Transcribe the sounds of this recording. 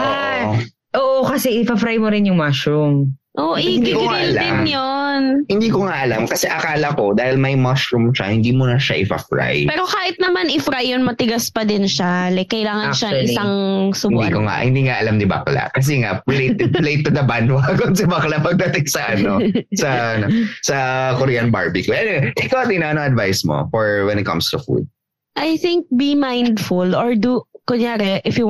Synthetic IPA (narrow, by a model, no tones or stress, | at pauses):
ʔoa | ʔoːʔokɐsɛʔɪfɐfɾajmoɾɪnjʊŋmaʃɾʊmʔoʔhind̪ikoŋaʔɐlad̪ɪmjonhɪnd̪iːkoŋaʔɐlamkɐsɛʔɐkaːlɐko̞d̪aːhɪlmɐjmaʃɾʊmʃa̰hɪnd̪iːmunɐʃɐʔɪfɐ̰fɹa̰jpɛːɾokaːhɪt̪̚nɐmanʔɪfɾajːonmɐt̪ɪɡaspɐd̪ɪnʃalɛkɐjlaːŋɐnʃɐɪsaŋsʊbnd̪ikoŋa̰ʔhɪ̰̃nd̪iːŋaʔɐlamnɪbɐ̰kla̰ʔkɐs̬ɛŋaʔlet̪̚ːlejt̪ːʊd̪ɐbanwaɡonsɛbɐklapɐɡ̚d̪ɐt̪ɪŋsɐʔɐnosɐɐnosɐkʊɾiɐnbaɹbikʊɐnɛʔɪkawɐinɐɐnoŋɐd̪vajsmo̰fɔɹwɛnɪt̪̚kɐ̰̃mst̪ʊfṵd̪̚ | ʔajθɪŋk̚bimajnd̪fʊloɹd̪ukʊɲjaːɾɛʔɪfju